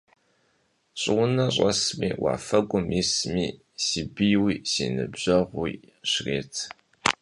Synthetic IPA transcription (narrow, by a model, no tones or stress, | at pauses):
ɕʼɪwʊnɐɕʼɐsmḭːwa̰ːfɐɡʷʼʊmjismiː | siːbɨjwiːsḭːnɨbʑɐʁwiː | ɕreːtʰ